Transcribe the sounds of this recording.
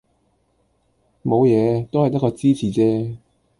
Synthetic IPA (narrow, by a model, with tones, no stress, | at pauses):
mo˨˧wjɛː˨˧t̪o˥whɐ˨jt̪ɐ˥kːɔː˧t͡siː˥t͡sʰiː˨˩t͡sɛː˥